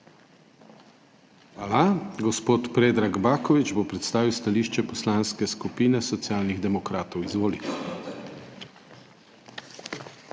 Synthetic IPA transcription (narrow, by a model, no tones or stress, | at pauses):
alaɡɔspoːt̪pɾeːd̪ɾaɡbaːkɔʋit͡ʃbopɾɛt̪st̪aːʋiwst̪aliːʃt͡ʃɛpɔslaːnskɛskupiːnɛsɔt̪sjaːlniɣd̪ɛmɔkɾaːt̪ɔwizʋoːlit̪